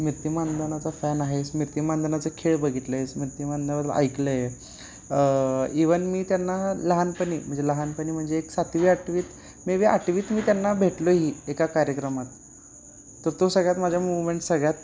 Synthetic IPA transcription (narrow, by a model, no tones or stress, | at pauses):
miɾt̪imand̪ʱənat͡safɛnaɦesmiɾt̪imand̪ʱənat͡səkʰeɭbəɡʱit̪ləesmiɾt̪imand̪əʋəd̪l̰ʔa̰jkləje | iʋənmiːt̪janːaləɦanpəniːm̤əɳd͡zeləɦanpəɳiːm̤əɳd͡zeːksat̪ʰʋiakʈiʋiːt̪ | meʋea̰ʈiʋiːt̪miːt̪janːabʱeʈloɦiːekakaɾjəkɾəmat̪ː | əɾt̪osəɡɭjat̪mad͡ʑʱjamuʋmeɳʈsəɡɭjat̪̚